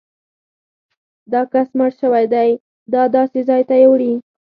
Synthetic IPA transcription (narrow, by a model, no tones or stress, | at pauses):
d̪ɑkasməɽʃəwajd̪aj | d̪ɑd̪ɑsezɑjt̪ajewɽi